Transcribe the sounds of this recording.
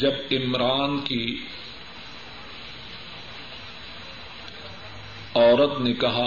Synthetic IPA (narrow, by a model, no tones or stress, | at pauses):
d͡ʒɐbɪmɾaːnki | ɔːɾət̪nekɐɦa